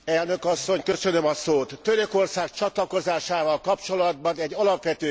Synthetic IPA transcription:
ɛlnø̞kɒsːo̞ɲkø̞sø̞nømɒsoːt̪ːøɾø̞ko̞rsaːk̚t͡ʃɒt̪lɒko̞zaːʃaːvɒlkɒpt͡ʃo̞lɒd̪̚bɒnɛɟːɒlɒpʋɛt̪øː

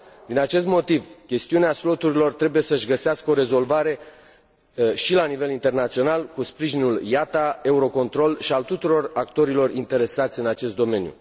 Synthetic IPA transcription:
d̪inat͡ʃe̞st̪mo̞t̪ivkʲe̞st̪iuneaslo̞t̪uɾilo̞rt̪ɾe̞buje̞səʃɡəseaskəoɾe̞zo̞lvaɾe̞ | ʃilanive̞lint̪e̞rnat̪sio̞nalkuspɾiʒinuljat̪ae̞uɾo̞ko̞nt̪ɾo̞lʃialt̪ut̪uɾo̞rakt̪o̞ɾilo̞rint̪e̞ɾe̞sat̪sʲɨnat͡ʃe̞st̪d̪o̞me̞njṵ

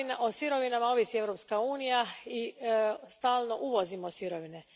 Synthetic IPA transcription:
nʔosiɾo̞ʋinamao̞ʋisie̞ʋɾopskauːnijaist̪aːlˠno̞ʔuʋo̞zimosiɾoʋine

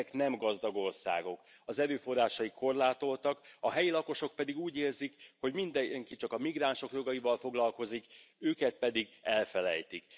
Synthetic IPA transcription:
knɛmɡɒzd̪ɒɡo̞rsa̰ːɡo̞k | ɒzɛɾøːfo̞rːaːʃɒjikʰːo̞rlaːt̪o̞lt̪ɒkɒɦɛjilɒko̞ʃo̞k̚pɛd̪iɡuːɟeːrzikho̞ɟmind̪ɛŋkit͡ʃɒkɒmiɡraːnʃo̞kjo̞ɡɒivɒlfo̞ɡlɒlko̞zikøːkɛt̪̚pɛd̪iɡɛlfɛlɛ̰jt̪ik

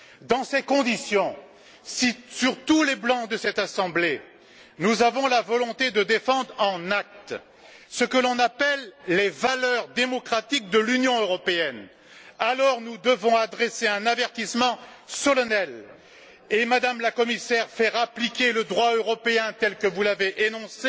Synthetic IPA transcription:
d̪ɑ̃sekɔ̃d̪isjɔ̃ | sisyʁt̪uleblɑ̃d̪əsɛt̪asɑ̃ble | nuzavɔ̃lavɔlɔ̃t̪ed̪əd̪efɑ̃d̪ʁɑ̃nak̚t̪ | səkəlɔ̃napɛlːevalœʁd̪emɔkχat̪ik̚d̪əlynjɔ̃øʁɔpeɛn | alɔʁnud̪əvɔ̃ad̪ʁeseɛ̃navɛʁt̪ismɑ̃sɔlɔnɛl | emad̪amlakɔmisɛʁfɛʁaplikʲeləd̪ʁwaøʁɔpeɛ̃t̪ɛlkəvulaveʔenɔ̃se

